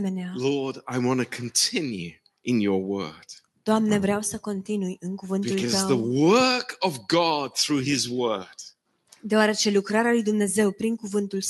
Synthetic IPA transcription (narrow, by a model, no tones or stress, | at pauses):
menealɔɹdaɪwɑ̃ntɨkʰn̩tʰɪ̃njʉ̰ | ʔɪ̃njə˞wɜ̰˞d̥ | d̪̥oamne̞vɾeawsəko̞nt̪inujɨŋkuvɨntb̪ulkʌt̪zəwðəwɜ˞kʌvɡɑd̪̚θɹʉɪzwɜ˞d̥ | d̪eoaɾe̞t͡ʃe̞lukɾaɾealujd̪umne̞ze̞wpɾiŋkuvɨnt̪uls